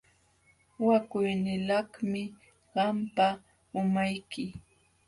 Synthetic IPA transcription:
wakʊjnɪlɑhmɪ | ɢɑmpa | ʊmajkɪ

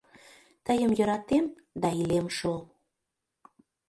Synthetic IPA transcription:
t̪əjəmjɤ̆ɾɑt̪em | d̪ɑilemʃo

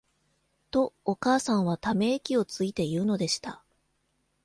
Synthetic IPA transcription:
t̪o̞ːkaːsãɰ̃βat̪ame̞ːkʲio̞t͡sɨit̪e̞jɯ̟ːno̞d̪e̞ɕi̥t̪a

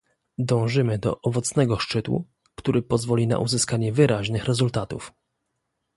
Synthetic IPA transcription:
d̪ɔ̃w̃ʐɘmɘd̪ɔ̰ʔɔvɔt̪snɛɡɔʂt͡ʂɘt̪wṵ | kt̪uɾʔɘpɔzvɔlʲina̰ʔuzɘskaɲɛvɘɾʔaʑnɘxɾɛzult̪at̪uf

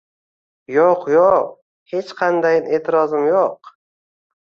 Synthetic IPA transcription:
joqjoq | he̞t͡ʃqʰɑnd̪ajɪne̞ːt̪ʰɪɾɒzɪmjoq

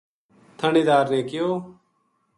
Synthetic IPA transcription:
t̪ʰəniːd̪aːɾnẽːkɪjoː

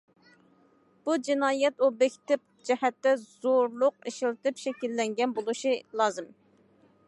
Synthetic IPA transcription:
b̥ud͡ʒinɑːjɛt̪obɛkʲt̪ɪp̚d͡ʒɛhɛt̪ːɛz̥oɾlˠʊq̚eʃilt̪ɨpʃɛkʲilːɛŋɡʲɛnbolˠuʃilˠɑːzɨm

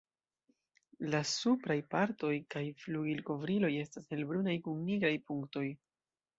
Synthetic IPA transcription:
lasupɾajpaɾto̞jkajfluɡilko̞vɾilo̞je̞staselbɾunajkunːiɡɾajpuŋkto̞j

